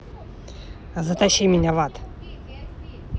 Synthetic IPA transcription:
zət̪aɕimʲinʲavat̪

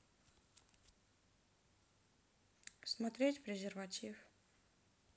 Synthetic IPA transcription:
smɐt̪ɾʲetʲvɾʲɪzʲɪrvatʲif

